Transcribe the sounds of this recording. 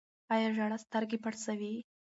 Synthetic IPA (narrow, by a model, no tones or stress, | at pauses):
ajaʒaɽast̪aɾɡepaɽsawi